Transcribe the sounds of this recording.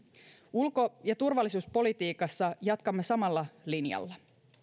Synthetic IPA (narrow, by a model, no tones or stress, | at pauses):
ulko̞jɑt̪urʋɑlːisuːspo̞lit̪iːkɑsːɑjɑt̪kɑmːesɑmɑlːɑlinjɑ̰lːɑ